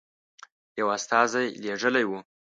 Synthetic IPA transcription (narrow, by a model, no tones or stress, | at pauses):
jawast̪ɑzajleʐəlajwu